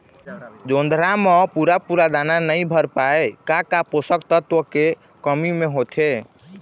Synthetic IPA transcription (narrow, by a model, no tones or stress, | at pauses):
d͡ʒond̪ʱɾamɔ̃puɾapuɾad̪ananəjbʱəɾpaekakaposəkt̪ət̪oke | kəmimeɦot̪ʰe